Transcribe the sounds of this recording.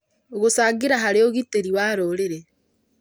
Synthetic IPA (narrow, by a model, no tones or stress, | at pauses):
oɣosaɡeɾaɦaɾeoɣiteɾiwaɾoɾeɾe